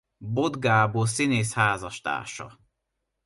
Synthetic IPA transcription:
bod̪ɡaːboːsineːshaːzɒʃt̪a̰ːʃɒ̰

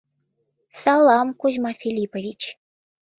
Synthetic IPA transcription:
sɑlˠɑmkuzʲmɑfʲilʲipovʲit͡ɕ

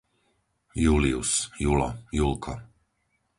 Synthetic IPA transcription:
juliusjulɔ̰julkʰɔ

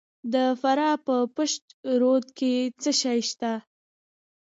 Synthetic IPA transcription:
d̪əfaɾɑpəpəʃt̪ɾod̪ket͡səʃɑjʃt̪a

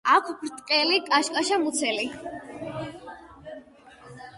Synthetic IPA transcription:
akʷʰpɾt̪ʼqʼɛlikʼaʃkʼaʃamut̪sʰɛli

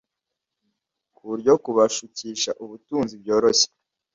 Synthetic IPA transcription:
kʰuɾɟokuβaʃuciːʃaʔuβutuːnzibɟo̞ːɾose̥

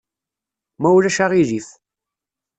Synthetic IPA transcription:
mæwlæʃaʁiðiθ

